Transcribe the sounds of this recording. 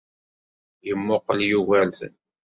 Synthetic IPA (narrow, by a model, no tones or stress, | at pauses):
jəmːʊqəljuɣælθn